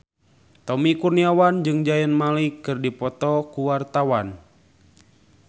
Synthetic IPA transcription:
t̪ɔmikurniawand͡ʒɨŋd͡ʒajənmalikːɨrdipɔt̪ɔkuwart̪awan

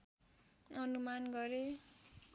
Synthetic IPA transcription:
ʌnumanɡʌɾe

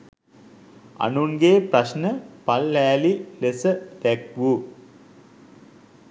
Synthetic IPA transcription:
ɐ̰nunɡeːprɐɕnəpɐlːæːlilesət̪ækʋu

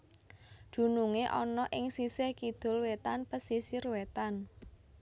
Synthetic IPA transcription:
d̪̥ṳnuŋeʔɔnɔʔɪŋsisekid̪̥ʊ̤lwet̪anpəsisirwet̪an

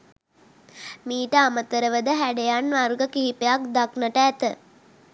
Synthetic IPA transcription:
miːʈəamət̪əɾəʋəd̪əɦæɖejanʋaɾuɡəkiɦipejak̚d̪aknəʈəæt̪ə

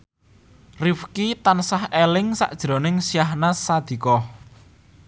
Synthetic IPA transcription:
rifkit̪ansahelɪŋsa̰ʔd̥ʒ̥ɾo̤nɪŋsijaɦnasad̪̥i̤kɔ

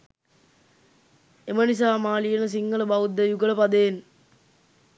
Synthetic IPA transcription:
emənis̬aːmaːlijenɐs̬iŋɡɐɭəbɐwud̪ːɐjuɡɐɭɐpɐd̪eːn

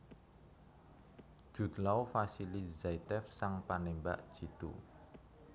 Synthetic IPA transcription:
d̥ʒ̥ṳd̪lawfasilizait̪ɛfsaŋpanemba̰ʔd̥ʒ̥i̤t̪ṵ

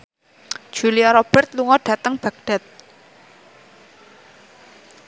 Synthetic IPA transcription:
d͡ʒʒ̥uliaɾob̥ɛrt̪̚luŋɔɖ̥ä̤t̪əŋb̥a̤k̚ɖ̥ɛ̤t̪̚

